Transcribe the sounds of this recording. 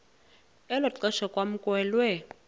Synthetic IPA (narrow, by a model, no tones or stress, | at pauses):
ɛlɔǀɛʃɔkʼwam̩kʼwɛːlwɛ